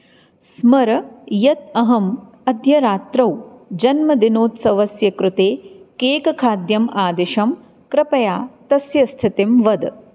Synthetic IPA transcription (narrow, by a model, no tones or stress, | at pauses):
smɐɾɐjɐt̪ɐɦɐm | ɐd̪ʱjɐɾaːt̪ɾɐwd͡ʒɐnmɐd̪inoːt̪sɐʋɐsjɐkɾʊt̪eːkeːkɐkʰaːd̪jɐmaːd̪eʃɐm | kɾɪpɐjaːt̪ɐsjɐst̪ʰit̪imʋɐd̪